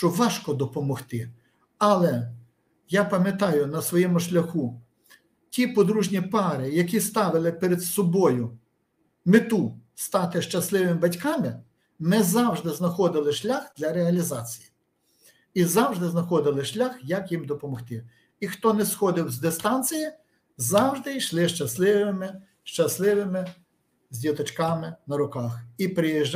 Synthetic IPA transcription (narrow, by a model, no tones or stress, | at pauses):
ʃt͡ʃɔʋɑʃkɔd̪ɔpɔmɔxt̪ɪ | ɐlˠɛ | japɐmʲjɐt̪ɑjʊnɐsʋɔjɛmʊʃlʲɐxu | tʲipɔd̪ɾuʒnʲipɑɾɪjɐkʲist̪ɑʋɪlˠɪpɛɾed̪sɔbɔjʊ | mɪt̪ust̪ɑt̪ɪʃt͡ʃɐslˠɪʋɪmɪbɐtʲkɑmɪ | nɛzɑwʒd̪ɪznɐxɔd̪ɪlˠɪʃlʲaxd̪̥lʲɐɾeɐlʲizɑt͡sʲiji | izɑwʒd̪ɪznɐxɔd̪ɪlˠɪʃlʲaxjɐkjimd̪ɔpɔmɔxt̪ɪ | ixt̪ɔnɛsxɔd̪ɪwzd̪ɪst̪ɑnʲt͡sʲiji | zɑwʒd̪ɪjʃlˠɪʃt͡ʃɐslˠɪʋɪmɪ | ʃt͡ʃɐslˠɪʋɪmɪ | zʲdʲit̪ɔt͡ʃkɑmɪnɐɾʊkɑxipɾɪjiʒ